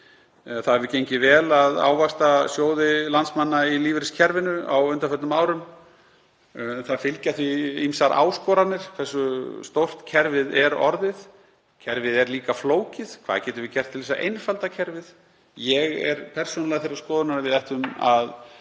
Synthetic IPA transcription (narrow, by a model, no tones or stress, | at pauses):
θaðɛɾvɪcejɲcɪvɛːlaða̰ːwvast̪asjoːwðɪlant̪smanːailiːvɪɾɪscʰɛɾvɪnʏa̰wʏnt̪afœt̪nʏmaːwɾʏm | θaðfɪlcaθviimsaɾʔa̰ːwskɔɾat̪nɪɾ̥kʰv̥ɛsːʏst̪owr̥t̪cʰɛɾvɪðɛɾɔ̰ɾðɪð | cʰɛɾvɪðɛɾliːkafloːwcɪð̥kʰv̥aːðcɛːt̪ʏɾvɪcɛr̥t̪ʰɪlvɛsa̰ʔḛjnfalt̪acʰɛɾvɪð | jɛɣɛ̰ɾpʰɛr̥sɔnalɛɣaθɪɾaskɔːðʏnaɾavɪðajht̪ʏma̰ð